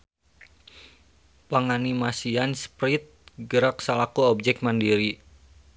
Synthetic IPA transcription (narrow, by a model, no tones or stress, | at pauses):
pəŋanimasianspɾit̪̚ɡəɾak̚səlakuɔb̚d͡ʒɛk̚t̪̚mandiɾi